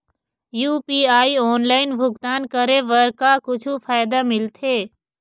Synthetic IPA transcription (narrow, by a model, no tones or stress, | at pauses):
juːpiːaːioːnlaːɪnbʱʊɡt̪aːnkəɾeʋəɾkakʊt͡ʃʰufʰaːjd̪amɪlt̪ʰeː